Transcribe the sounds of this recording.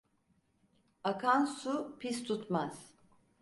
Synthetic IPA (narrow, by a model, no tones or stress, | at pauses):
akʰansupʰist̪ʰut̪maz̥